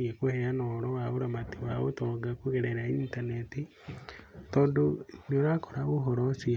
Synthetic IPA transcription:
iekuheanoɾowaoɾamatiwao̰toɡakuɣeɾeɾaintaneti | todonionakoɾaβoɦoɾosi

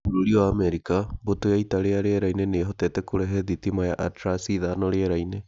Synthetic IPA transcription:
uɾoɾioaːmɛɾikabotojaitaɾeaɾeaɾaineneːɦɔtɛtɛkoɾɛɦɛðitimajaʔatɾasiðanɔɾeɛɾaine

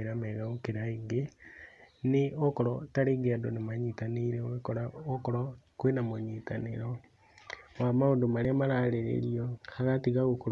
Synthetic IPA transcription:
eɾamɛɣaokeɾaeɡe | neokɔɾɔtaɾeɡeadonemaɲitaniɾeoɣekɔɾaokɔɾɔkwenamoɲitaneɾɔ | wamaodomaɾeamaɾaːɾeɾḛɾiɔhaɣatiɣaɣoko

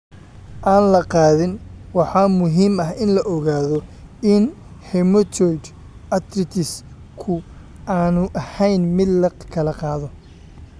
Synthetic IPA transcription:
ʔaːnlɐqɑːðɪnwɑħɑːmʊɦiːmɐɦɪnlɐʔɔɣaːðɔɪn | hɛmɔt̪ʰɔjd̪ | ʔɐt̪ɾɪt̪ʰɪs | kʰʊ | aːnʊʔɐhɛjnmɪd̪lɐkʰɐlɐqɑːðɔ

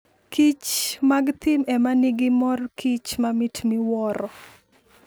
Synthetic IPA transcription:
kit͡ʃmaɡt̪imɛmaniɡɪmɔrkʰit͡ʃmamitmiwɔɾɔ

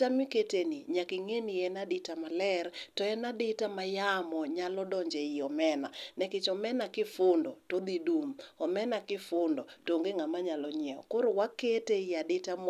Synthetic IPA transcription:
tamiketeniɲakiŋeniɛnadɪtamalɛrtɔɛnadɪtamajamɔɲalɔdɔɲd͡ʒɛɪɔmɛnanɛkɪt͡ʃɔmɛnakɪfʊndɔtod̪idumɔmɛnakɪfʊndɔtoŋɡeŋamaɲalɔɲɛɔ̰koɾowaketeɪadɪtam

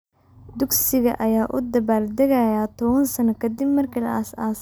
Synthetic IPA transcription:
d̪ʊɡsɪɣɐ̰ʔɐjaːʔʊd̪ɐβaːrd̪ɐɣɐjaːt̪ʰɔβɐnsɐnɐkʰɐd̪ɪbmɐrkʰilɐ̰ʔɐsaːs

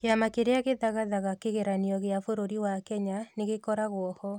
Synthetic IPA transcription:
kamakeɾeaɣeðaɣaðaɣakeɣeɾaniɔɣeafoɾoɾiwakɛɲaneɣekɔɾaɣwɔhɔ

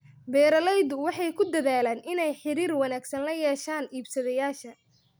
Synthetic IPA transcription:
bɛːɾɐlɛjd̪ʊwɑħɑjkʰʊd̪ɐðaːlaːnʔɪnɛjħɪɾiːrwɑnaːɡsɐnlɐjɛːʃaːniːbsɐðɛjaːʃɐ

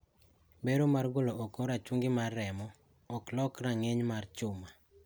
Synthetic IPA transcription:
beɾomarɡolookoɾat͡ʃuŋɡɪmarːɛmɔ | ɔklɔkraŋeɲmart͡ʃʊma

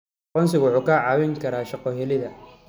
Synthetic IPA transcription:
qɔnsɪwʊħuːkaʕɑːwɛŋkʰɐɾaːʃɑqɔɦɛlɪðɐ

